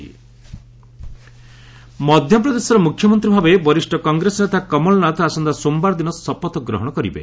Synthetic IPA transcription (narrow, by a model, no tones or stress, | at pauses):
mɔd̪ʱjɔpɾɔd̪esɔɾɔmukʰːjɔmɔnt̪ɾibʱabebɔɾisʈɔkɔŋɡɾesɔnet̪akɔmɔlɔnat̪asɔnd̪asombaɾd̪inɔsɔpɔt̪ɔɡɾɔ̰ɦɔɽ̃ɔkɔɾibḛ